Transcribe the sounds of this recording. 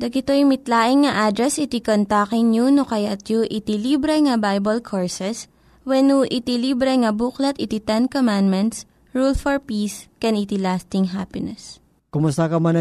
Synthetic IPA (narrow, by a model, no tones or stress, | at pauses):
d̪ɐɡɪt̪ojʊmɪt̪laːʔɪŋːɐʔad̪ɾɛsɪt̪ikont̪akɪŋɲunokɐjat̪juʔɪt̪ilibɾɛŋɐbajbɐlkʰoɹsɛs | wɛnuʔɪt̪iliːbɾɛŋɐbuklɐt̪ɪt̪it̪ɛnkomand̪mɛnt̪s | ɹulfɔɹpiːskɛnit̪ilast̪ɪŋɦapɪnɛs | kʊmʊst̪akɐmɐnɐ